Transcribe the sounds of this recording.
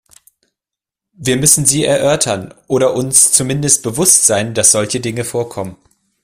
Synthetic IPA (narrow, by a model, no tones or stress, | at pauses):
viːɐmʏsn̩ziːɛɐʔœɐtʰɐnʔoːɾɐʔʊnst͡sumɪndəst̚b̥əvʊstz̥aɪnd̥asz̥ɔlçədɪŋəfoːɐkʰɔmən